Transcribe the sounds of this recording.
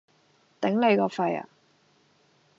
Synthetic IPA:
t̪ɪ˨˥ŋle˨˧jkɔː˧fɐ˧ja̰˨

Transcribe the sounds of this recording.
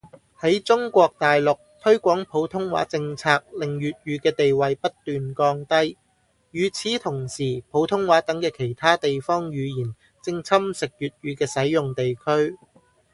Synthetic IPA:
hɐ˨˥jt͡sʊ˥ŋkʷɔː˧k̚t̪aː˨jlʊ˨k̚t̪ʰɵ˥ɥkʷɔː˨˥ŋpʰo˨˥wt̪ʰʊ˥ŋwa̰ː˨˥t͡sɪ˧ŋt͡sʰaː˧k̚lɪ˨˩ŋjyː˨t̚jyː˨˧kɛː˧t̪e˨jwɐ˨jpɐ˥t̚t̪ːyː˨nkɔː˧ŋt̪ɐ˥j | jyː˨˩t͡sʰiː˨˥t̪ʰʊ˨˩ŋsiː˨˩pʰo˨˥wt̪ʰʊ˥ŋwaː˨˥t̪ɐ˨˥ŋkɛː˧kʰe˨˩jt̪ʰaː˥t̪e˨jfɔː˥ŋjyː˨˧jiː˨˩n | t͡sɪ˧ŋt͡sʰɐ˥msɪ˨k̚jyː˨t̚jyː˨˧kɛː˧sɐ˨˥jjʊ˨ŋt̪e˨jkʰɵ˥ɥ

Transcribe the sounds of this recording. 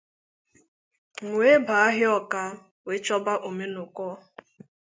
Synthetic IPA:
ŋʷ˦e˦ba˨a˦ɦɪ˦ɔ˦ka˦ | we˨˦t͡ʃɔ˦ba˦ʔo˨me˦nʊ˨kɔː˦

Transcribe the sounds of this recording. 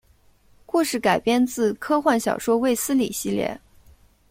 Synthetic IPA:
ku˥˧ʂɻ̩˥˩ka˨˩ɪpjɛ˥nt͡sɹ̩˥˩kʰɤ˥xwa˥˩nɕjɑ˨˩ʊʂwɔ˥we˥˩ɪsɹ̩˥lḭ˨˩ɕi˥˧ljɛ̰˥˩

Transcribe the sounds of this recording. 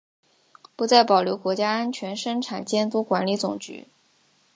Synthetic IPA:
pu˧˥t͡sa˥˩ɪpɑ˨˩ljo˧˥ʊkwɔ˧˥t͡ɕja˥a˥nt͡ɕʰɥɛ˧˥nʂɤ˥ŋʈ͡ʂʰa˨˩nt͡ɕjɛ˥˩nt̪u˧˥kwa˧˥nli˧˥t͡sʊ˨˩ŋt͡ɕy̰˧˥

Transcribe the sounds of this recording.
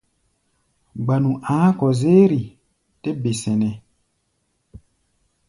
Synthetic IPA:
ɡ͡ba˨nũ˨ʔãː˨˦kɔ˨zeː˦ɾi˨ | te˦be˨sɛ̃˨nɛ̃˨

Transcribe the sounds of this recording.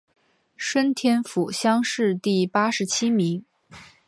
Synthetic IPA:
ʂwə˥nt̪ʰjɛ˥nfu˨˩ɕjɑ˥ŋʂɻ̩˥˧t̪i˥˩pa˥ʂɻ̩˧˥t͡ɕʰi˥mi˧˥ŋ

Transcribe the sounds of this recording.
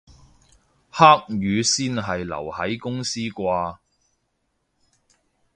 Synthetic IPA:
haː˥k̚jyː˨˧siː˥nɦɐ˨jlɐ̰˨˩whɐ˨˥jkʊ˥ŋsiː˥kʷaː˧

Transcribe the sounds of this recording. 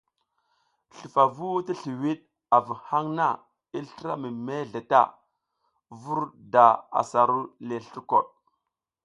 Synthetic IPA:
ɬi˨fa˨vu˦ti˦ɬi˨wi˦ɗ̚ | a˨vu˨ha˦ŋna˦˨ | i˦ɬa˦mi˨me˦ɮe˨ta̰˦˨ | vu˦ɾda˨a̰˨sa˨ɾu˦le˨ɬi˦ɾko˨ɗ̚

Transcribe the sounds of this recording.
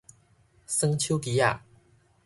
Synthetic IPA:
sɤ˥ŋt͡ɕʰju˥ʊki˧˥ja̰˥˩

